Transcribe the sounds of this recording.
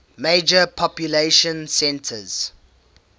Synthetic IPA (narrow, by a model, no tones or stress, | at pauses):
meɪd͡ʒəpʰɔpjuleʃə̃nsɛ̃ntʰəz̥